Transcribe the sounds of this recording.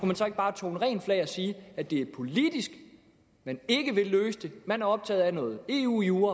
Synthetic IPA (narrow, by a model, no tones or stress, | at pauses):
kumænsɒ̽e̝ɡ̥əb̥ɑ̈ːt͡sʰo̰ːn̩ʁɛ̰ːnflɛɪɒsiːæd̥e̝æɐpʰo̝lid̥isɡ̥ | mæne̝ɡ̥əʋe̝lløːsəd̥e̝mænæɐɒ̽b̥̚t͡sʰɛ̰ːð̩ˠænɔ̽ːð̩ˠe̝ːṵːjuːɐ